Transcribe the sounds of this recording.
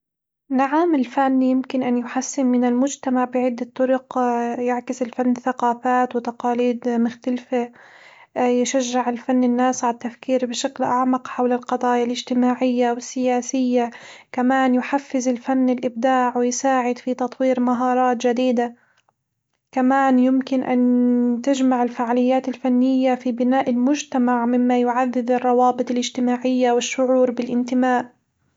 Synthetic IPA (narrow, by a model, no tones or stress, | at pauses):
naʕamɪlfanːjɪmkɪnʔanjʊħasːɪmmɪnɪlmʊd͡ʒt̪amaʕbɪʕɪd̪ːat̪ˤːʊɾʊqjaʕkɪsɪlfanːθaqɑːfaːt̪wɪt̪ɑqɑːliːd̪mʊxt̪alfa | jɪʃaʒːɪʕɪlfanːɪnːaːsʕaat̪ːafkiːɾbɪʃaklʔaʕmaqħawlalqɑd̪ˤɑːjalʔɪd͡ʒt̪ɪmaːʕɪjːawɪsːɪjaːsɪjːakamaːnjʊħafːɪzɪlfanːɪlʔɪb̚d̪aːʕwɪjsaːʕɪd̪fit̪ɑt̪ˤwiːɾmaɦɑːɾˤɑːt̪d͡ʒad̪iːd̪a | kamaːnjɪmkɪnʔa̰nt̪ɪd͡ʒmaʕɪlfaʕalɪjːaːt̪ɪlfanːɪjːafibɪnaːʔɪlmʊd͡ʒt̪amaʕmɪmːajʊʕaðːɪd̪ɪrˤːɑwɑːbɨt̪ˤɪlɪd͡ʒt̪ɪmaːʕɪjːawɪʃːʊʕuːɾbɪlʔɪnt̪ɪmaːʔ